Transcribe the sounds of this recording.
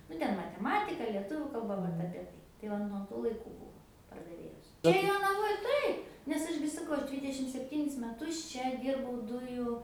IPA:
ˈnʊ ˈtʲɛn mɐtʲɛˈmɑːtʲɪkɐ lʲiɛˈtʊʋʲʊ kɐlˠˈbɐ ˈʋɐt ɐpʲiɛ ˈtɐɪ tɐɪ ˈʋɐ nuɔ ˈtuː lˠɐɪˈkuː ˈbuːʋoː pɐrdɐˈʋʲeːjoːs ˈt͡ʃʲɛ joːnɐˈʋoːj ˈtɐɪp nʲɛs ˈɐʃ ɡʲɪ sɐˈkɐʊ ˈɐʃ ˈdʲʋʲiːdʲɛʃʲɪm sʲɛpʲˈtʲiːnʲɪs mʲɛˈtʊs ˈt͡ʃʲɛ ˈdʲiːrbɐʊ ˈdʊjuː

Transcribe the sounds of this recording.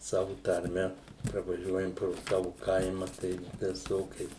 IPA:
ˈsɑːʋʊ tɐrʲˈmʲɛ prɐʋɐˈʒʲuɔjɛm proː ˈsɑːʋʊ ˈkɐɪmɐ tɐɪ ʋʲɪˈsoːkʲɛɪs

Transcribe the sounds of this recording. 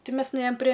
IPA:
ˈtʲɪ ˈmʲɛs nʊˈeːjoːm pʲrʲeː

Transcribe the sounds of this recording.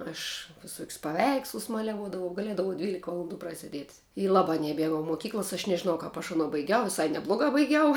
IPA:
ɐʃ ʋʲɪˈsoːkʲsʲ pɐˈʋʲɛɪkslˠʊs ˈmɑːlʲɛʋuɔdɐʋɐʊ ɡɐˈlʲiɛdɐʋɐʊ ˈdʲʋʲiːlʲɪkɐ ʋɐlˠɐnˈduː prɐsʲɛˈdʲiɛtʲ ɪ ˈlˠɑːbɑː nʲɛˈmʲiɛɡɐʊ moːˈkʲiːklˠɐs ɐʃ nʲɛʒʲɪˈnɐʊ ˈkɐp ɐʃ ɐˈnoː bɐɪˈɡʲɛʊ ʋʲɪˈsɐɪ nʲɛˈblˠoːɡɑː bɐɪˈɡʲɛʊ

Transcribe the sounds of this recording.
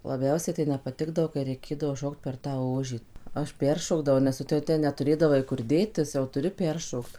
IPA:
lˠɐˈbʲɛʊsʲɛɪ tɐɪ nʲɛpɐˈtʲɪɡdɐʋoː kɐɪ rʲɛɪˈkʲeːdɐʋoː ˈʃoːkt pʲɛr tɑː ˈoːʒʲiː ˈɐʃ ˈpʲɛrʃoːɡdɐʋɐʊ nʲɛs ˈtʊ jɛʊ ˈtʲɛn nʲɛtʊˈrʲeːdɐʋɐɪ kʊr ˈdʲeːtʲɪs jɛʊ ˈtʊrʲɪ ˈpʲɛrʃoːkt

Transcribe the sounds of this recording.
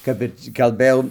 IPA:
ˈkɐp ɪr kɐlˠˈbɘjɛʊ

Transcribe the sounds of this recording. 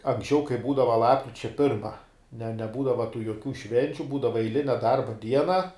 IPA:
ɐŋksʲˈt͡ʃʲɛʊ kɐɪ ˈbuːdɐʋɐ ˈlˠɑːpkrʲɪt͡ʃʲɛ ˈpʲɪrmɐ nʲɛ nʲɛˈbuːdɐʋɐ tuː joːˈkʲuː ˈʃʲʋʲɛnʲt͡ʃʲʊ ˈbuːdɐʋɐ ɛɪˈlʲɪnʲɛ ˈdɐrbɐ ˈdʲiɛnɐ

